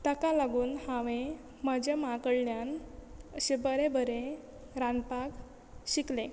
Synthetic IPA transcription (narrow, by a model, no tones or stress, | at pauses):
t̪əkalaɡuːnhãʋẽ | məd͡ʑamãkəɽɳjanəɕebəɾebəɾe | ɾanpak | ɕiklẽ